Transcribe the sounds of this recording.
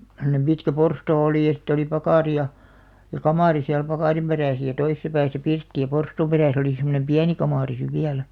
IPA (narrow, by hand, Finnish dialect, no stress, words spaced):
semŏnem pitkæ porstoː oliˑ jɑ sitːe oli pɑkɑˑri jɑ jɑ kɑmɑˑri siæl pɑkɑˑrim peræsæ̆ jɑ toisĕsɑ pæːsæ pirtːi jɑ porstuːm peræˑs oli semonem piæni kɑmɑˑri siʋ ʋiælæ̥